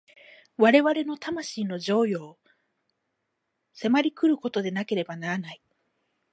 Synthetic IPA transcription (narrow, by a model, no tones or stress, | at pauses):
βaɾe̞βaɾe̞no̞t̪amaɕiːno̞ʑo̞ːjo̞ː | se̞maɾʲikɯ̟ɾɯ̟ko̞t̪o̞d̪e̞nake̞ɾe̞banaɾanai